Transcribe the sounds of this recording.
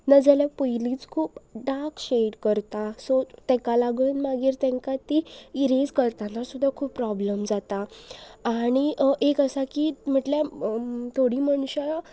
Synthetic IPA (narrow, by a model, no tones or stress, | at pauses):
nəd͡zɛljapəjliːt͡skʰuːpɖakɕeɽkəɾt̪asɔt̪ɛ̃kalaɡəːnmaɡiːɾt̪ɛ̃ŋkat̪iiɾed͡zkəɾt̪anasud̪ʱːakʰuːpːɾɔbləmd͡zat̪aː | ɽ̃iʔekəsakim̤əʈljat̪ʰoɽiːməɳɕa